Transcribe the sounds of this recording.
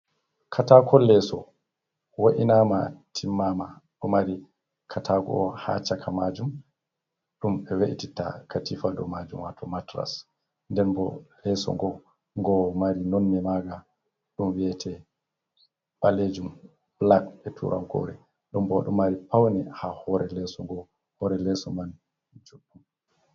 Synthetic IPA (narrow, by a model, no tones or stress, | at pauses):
kʰatakʰɔlɛsɔ | woʔinama̰tʰimːamaɗɔmaɾi | kʰatʰaɡɔ̰ʔɔha̰t͡ʃakʰamad͡ʒum | ɗumɛweʔitita̰katifadɔmad͡ʒumwatʰɔmatɾa̰s | ndɛnbɔ̰lɛsɔ̰ŋɡɔ | ŋɡɔmaɾinɔnːɛmaɡa | ɗumwiɛtʰɛ | ɓaled͡ʒum | b̥lak̚bɛtʰṵɾʔa̰mkɔ̰ɾɛ̰ | ɗumbɔɗɔmaɾipawnɛhahɔɾɛlɛsɔŋɡɔ | hɔɾɛlɛsɔman | d͡ʒuɗːum